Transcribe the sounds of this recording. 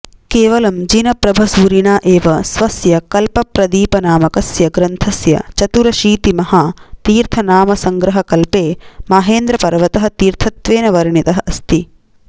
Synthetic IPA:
keːʋɐlɐmd͡ʒinɐpɾɐbʱɐsuːɾiɳaːʔeːʋɐsʋɐsjɐkɐlpɐpɾɐd̪iːpɐnaːmɐkɐsjɐɡɾɐnt̪ʰɐsjɐ̰t͡ʃɐt̪uɾɐʃiːt̪imɐhaːt̪iːɾt̪ʰɐnaːmɐsɐŋɡɾɐɦɐkɐlpeːmaːɦeːnd̪ɾɐpɐɾɐʋɐt̪ɐɦɐ̆t̪iːɾt̪ʰɐt̪ʋeːnɐʋɐɾɳit̪ɐɦɐʔɐst̪i

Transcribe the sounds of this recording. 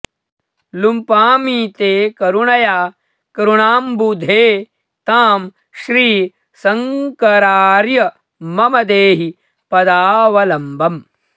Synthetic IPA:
lumpaːmiːt̪eːkɐɾuɳɐjaː | kɐɾuɳaːmbud̪ʱeː | t̪aːm | ʃɾiː | sɐŋkɐɾaːɾjɐ | mɐmɐd̪eːɦi | pɐd̪aːʋɐlɐmbʱɐm

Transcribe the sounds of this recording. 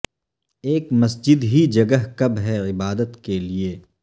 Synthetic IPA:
eːkmɐsd͡ʒɪd̪ɦid͡ʒɐɡəɦkɐbɦɛɪbaːd̪ət̪kelieː

